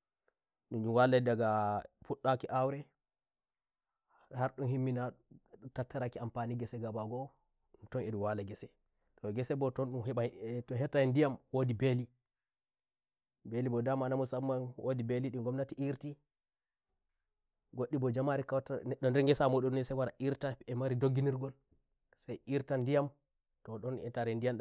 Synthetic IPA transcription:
ɗund͡ʒuwaladaɡafuɗːakiʔawɾɛ | haɾɗunhimːinatatːaɾakiampaːniɡɛsɛɡabaɡɔ | ntɔneduwalaɡɛsɛ | tɔɡɛsɛbɔtɔnɗunɦɛɓatɔɦɛtːaindijamwodibeli | belibɔdamanamusamːanwodibeliɗiŋɡɔmnatiʔiɾti | ɡoɗːibɔd͡ʒamaɾikawtanɛɗːɔndɛɾŋɡɛsamɔɗunːɛsajwaɾaʔiɾtaɛmaɾidoɡːiniɾɡɔl | sajiɾtandijam | tɔɗɔnɛ̰taɾɛndijamɗ

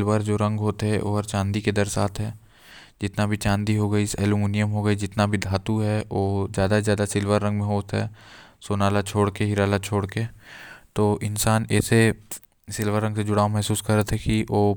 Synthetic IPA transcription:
lʋəɾd͡ʒoːɾɐ̃ŋɡɦoːt̪eɦɛʔo̰ɦəɾt͡ʃãːnd̪iked̪əɾsaːt̪ʰɦɛː | d͡ʒɪt̪nabʱit͡ʃãːnd̪iɦoɡəisɛːlumuːnijəmɦoɡəid͡ʒɪt̪nabʱid̪ʱaːt̪uɦɛoːzjaːd̪azjaːd̪asɪlʋəɾːɐ̃ŋɡmẽɦoːt̪ɦɛ̰ːsoːnaːlat͡ʃʰoːɽkeɦɪɾaːlat͡ʃʰoːɽket̪oːʔɪnsaːnɛ̰ːse | sɪlʋəɾːɐ̃ŋɡsed͡ʒʊɽaːomɛɦsuːskɐɾət̪ʰɦɛkioː

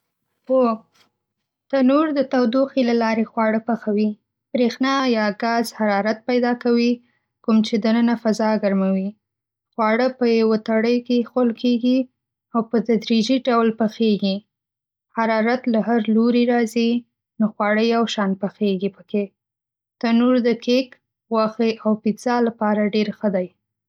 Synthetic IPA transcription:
ho | t̪anoɾd̪ət̪awd̪uxilalɑɾexwɑɽəpəxawi | b̥ɾexnɑjɑɡazhaɾɑɾat̪̚pajd̪ɑkawi | kumt͡ʃed̪ənənafazɑɡaɾmawi | xwɑɽəpəjawat̪aɽəjkexolkʰeɡi | awpəd̪ad̪ɾid͡ʒiɖawlpəxeɡi | haɾɑɾat̪laɦaɾloɾiɾɑzi | noxwɑɽəjawʃɑnpəxeɡipəke | t̪anuɾd̪əkʰek | ɣwaxeʔawpiz̥ɑlapɑɾaɖeɾxəd̪aj

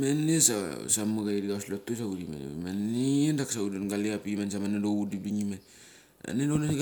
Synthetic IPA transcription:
menesa̰samuɡaediaoslotos̬audima̰n̰maniendaksaudanɡaleapimansamanedoudipdiŋima | a̰nedonani

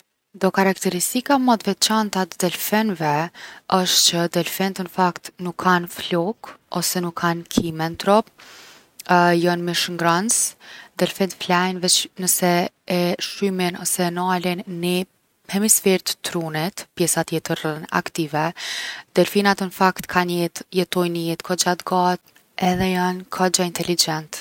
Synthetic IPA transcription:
d̪ɔkaɾakt̪ɛɾist̪ikamɔd̪vɛt͡ʃant̪at̪d̪ɛlfɛnvɛəʃt̪t͡ɕəd̪ɛlfɛnt̪ənəfakt̪nukʰːanflɔkɔsɛnukʰːankʰimɛnt̪ɾɔp̚ | jɔnmiʃŋɡɾansd̪ɛlfɛnt̪flajnvɛt͡ʃnəsɛː | ʃyminɔsɛnalinːi | hɛmisfɛɾt̪ːɾunit̪pjɛsat̪jɛt̪əɾəna̰kt̪ivɛd̪ɛɾfinat̪ənəfakt̪kʰanjɛt̪jɛt̪ɔjnəjɛt̪kʰɔd͡ʒat̪ɡat̪ | ɛðɛjankʰɔd͡ʒaint̪ɛlid͡ʒɛnt̪

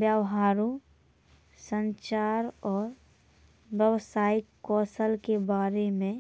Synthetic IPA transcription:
bjawɦaːɾõ | sə̃ɲt͡ʃaːɾɔːɾ | bjəwsaːɪkːɔːsəlkebaːɾemẽ

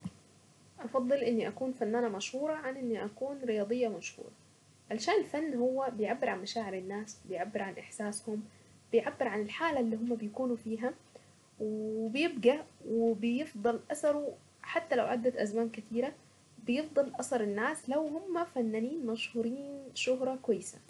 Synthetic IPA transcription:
ʔɑfɑd̪ˤːɨlʔɪnːiʔakuːnfanːaːnamaʃhuːɾˤɑʕanʔɪnːiʔakuːnɾɪjɑːd̪ˤɨjːamaʃhṵːɾˤɑ | ʕalaʃaːnɪlfanːhʊwːabɪjʕabːɪɾʕanmaʃaːʕɪɾɪnːaːsbɪjʕabːɪɾʕanʔɪħsaːshʊm | b̥ɪjʕabːɪɾʕanɪlħaːlaʔlːiːɦʊmːabɪjkuːnufiːɦa | wɪbɪjɪbɡawɪbɪjɪfd̪ˤɑlʔɑsɑɾˤu | ħat̪ːalawʕad̪ːat̪ʔazmaːnkɪt̪iːɾa | bjɪfd̪ˤɑlʔɑsɑɾˤɪnːaːslawhʊmːafanːaːniːnmaʃhuːɾiːnʃʊɦɾˤɑkwajːsa

